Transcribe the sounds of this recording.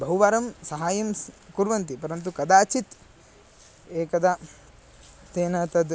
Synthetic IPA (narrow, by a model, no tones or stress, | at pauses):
bɐɦuʋaːɾɐmsɐɦaːjɐmkuɾʋɐnt̪ipɐɾɐnt̪ukɐd̪aːt͡ʃit̪ | eːkɐd̪ɐ | t̪eːnɐt̪ɐd̪